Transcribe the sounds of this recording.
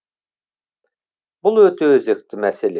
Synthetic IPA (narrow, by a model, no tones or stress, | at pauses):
bulˠøt̪ʰøøzek̚t̪imæselʲe